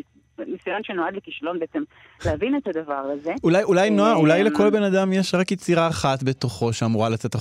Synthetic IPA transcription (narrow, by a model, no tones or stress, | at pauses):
misujanʃenoad̪lekiʃalo̞nbeet͡sem | leavinet̪had̪avaʁazeulajulajnoaulajleko̞lbe̞nad̪amjeʃʁakjet͡siʁaːχatbe̞t̪oχo̞ʃeamuʁalat͡set̪a